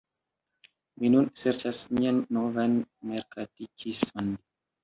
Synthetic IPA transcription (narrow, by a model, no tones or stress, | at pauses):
minunseɾt͡ʃasmianːovanmeɾkatikismon